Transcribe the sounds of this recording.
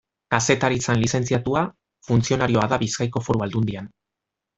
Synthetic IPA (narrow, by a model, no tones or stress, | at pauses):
kase̞t̪aɾit͡sanlise̞nt͡siat̪ua | funt͡sio̞naɾio̞aðaβiskajko̞fo̞ɾuald̪und̪ian